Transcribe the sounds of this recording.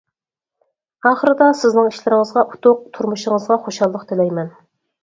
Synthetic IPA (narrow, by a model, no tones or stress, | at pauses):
ɑːχəɾɨd̪ɑsɪznɪŋiʃlɪɾɪŋəzʁɑʔut̪ʰʊq̚t̪ʰuɾmuʃɪŋəzʁɑχoʃɑlˠːəqt̪ʰɪlɛjmɛn